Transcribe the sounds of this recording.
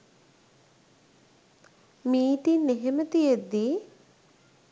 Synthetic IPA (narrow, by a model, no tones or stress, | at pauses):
miːʈ̪inːeɦemət̪ijed̪ːi